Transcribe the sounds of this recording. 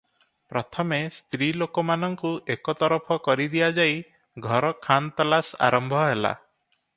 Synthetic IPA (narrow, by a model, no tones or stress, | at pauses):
pɾɔt̪ʰɔmest̪ɾilokɔmanɔŋkuʔekɔt̪ɔɾɔpʰɔkɔɾid̪iad͡ʒaj | ɡʱɔɾɔkʰant̪ɔlasa̰ɾɔmbʱɔɦela̰